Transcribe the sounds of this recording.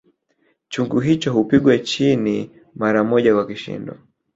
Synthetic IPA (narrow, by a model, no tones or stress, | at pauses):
t͡ʃuŋɡuɦit͡ʃɔɦupiɡwɛt͡ʃini | maɾamɔʄakwakiʃḭndɔ